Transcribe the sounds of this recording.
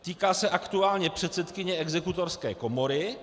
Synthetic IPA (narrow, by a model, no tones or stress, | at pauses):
t̪iːkaːsɛʔakt̪uaːlɲɛpr̝̥ɛt̪sɛt̪kɪɲɛɛɡzɛkut̪oɾskɛ̰ːko̞mo̞ɾɪ